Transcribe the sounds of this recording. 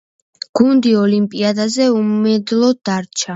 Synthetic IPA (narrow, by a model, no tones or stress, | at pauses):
ɡ̥und̪iɔlimpʼiad̪azɛummɛd̪lˠɔd̪̥aɾt͡ʃʰa